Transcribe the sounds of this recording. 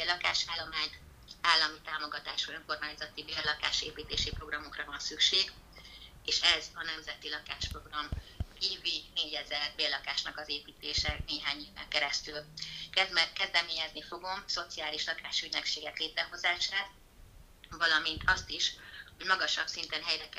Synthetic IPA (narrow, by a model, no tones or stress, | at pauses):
belɒkaːʃaːlːo̞maːɲt̪ | aːlːɒmit̪aːmo̞ɡɒt̪aːʃuøŋko̞rmaːɲzɒt̪ibeːlɒka̰ːʃeːpiːt̪eːʃipro̞ɡrɒmo̞krɒvɒnsykʃeːɡ | eːʃɛzɒnɛmzɛt̪ilɒkaːʃpro̞ɡrɒmkiːvineːɟɛzɛlbeːlɒkaːʃnɒkɒzeːpiːt̪eːʃɛneːɦaːɲiːvɛ̰ŋkɛɾɛst̪ylkɛzmɛkɛzd̪ɛmeːɲɛznifo̞ɡo̞mso̞t̪siaːliʃlɒkaːʃyɟnøkʃeːɡɛkleːt̪ɾɛɦo̞zaːʃaːt̪ | vɒlɒmint̪ʰɒst̪iʃho̞ɟmɒɡɒʃɒbsint̪ɛnɦɛjɾɛk